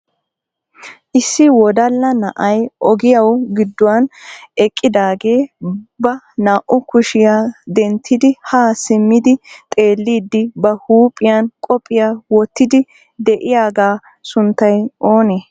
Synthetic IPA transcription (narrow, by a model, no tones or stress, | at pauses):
ʔɪsːɪwɔd̪ɐlːɐnɐʔɐjʔɔɡɪjɐwɡɪd̪ːɔwɐnɛkʼːɪd̪aːɡe̞ːbɐ | naːʔʊkʊʃɪjaːd̪ɛnt̪ʰːɪd̪ɪhaːsɪmːɪd̪ɪt̪ʼe̞ːlːiːd̪ːɪbɐhuːpʼɪjankʼɔpʼːɪjawɔt̪ːɪd̪ɪ | d̪ɛʔɪjaːɡaː | sʊnt̪ːɐjʔoːneː